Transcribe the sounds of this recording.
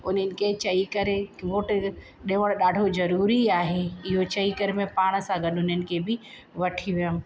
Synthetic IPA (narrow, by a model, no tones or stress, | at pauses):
ʊnənɪ̆ket͡ʃɐikəɾekʋoːʈ | ɗeʋəɽ̃ɗaːɖʱod͡ʒɐɾuːɾiaːɦeɪɦot͡ʃɐikəɾmẽpaːɽ̃sãɡəɗʊnənɪ̆kebʱɪ | ʋɐʈʰiʋjəm